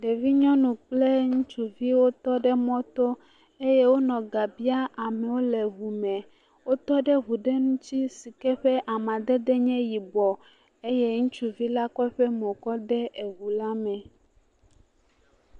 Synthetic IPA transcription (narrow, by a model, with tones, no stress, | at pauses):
ɖe˨vi˦ɲɔ̃˦nũ˨k͡plɛ˦ŋũ˦t͡ʃu˦vi˦wo˦t̪ɔ˦ɖɛ˦mɔ̃˦t̪ɔ˦ | e˦jɛ˦wo˦nɔ̃˨ɡa˨bi˦a˦a˨mɛ̃˨wo˦lɛ˨ɦu˨mɛ̃˨ | wo˦t̪ɔ˦ɖɛ˦ɦu˨ɖɛ˦nũ˦t͡ɕi˦si˨kɛ˦ɸɛ˦ʔa˨mã˨d̪ɛ˦d̪ɛ˦ɲɛ̃˦ji˨bɔ˨ | e˦jɛ˦ŋũ˦t͡ʃu˨vi˦la˦kɔ˦ɛ˦ɸɛ˦mõ˨kɔ˦ɖɛ˦ʔe˨ɣu˨la˦mɛ̃˨